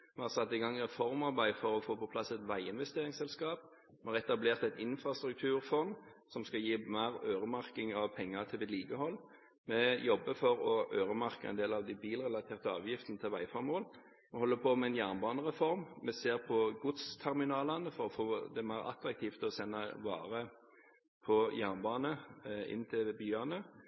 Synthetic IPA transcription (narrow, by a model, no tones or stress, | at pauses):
mɛhɑɾsɑt̪ːɪɡɑŋːɾɛfɔɾmɑɾbæɪd̪fɔɾɔfoːpɔpʰlɑsɛt̪ʋæɪɪnʋɛst̪eːɾɪŋsɛlskɑːp̚ | mɛhɑɾɛt̪ɑbleːʁt̪ɛt̪ɪnfɾɑst̪ɾʉk̚t̪ʰʉːɾfɔnsɔmskɑjiːmæɾøːɾəmɑɾkɪŋɑʋpʰɛŋːət̪ʰɪlɪliːkəhɔlː | mɛjɔbːəfɔɾɔʔøːɾəmɑɾkəɛ̰nd̪eːlɑʋd̪ɪbiːlɾɛlɑt̪ʰeːʁt̪əɑ̰ːʋjɪft̪ənət̪ʰɪlʋæɪfɔɾmoːl | mɛhɔlːəpʰoːmɛɛnjæːʁnbɑːnəʁɛfɔɾmmɛseːɾpʰɔɡʊt̪st̪ʰæɾmɪnɑːlɑnəfɔɾɔfoːd̪ɛmæɪɾɑ̰t̪ɾɑk̚t̪ʰiːft̪ɔsɛnːəʋɑ̰ːɾə | pʰɔjæːʁnbɑːnəɪ̰nt̪ʰɪlbyːɑnə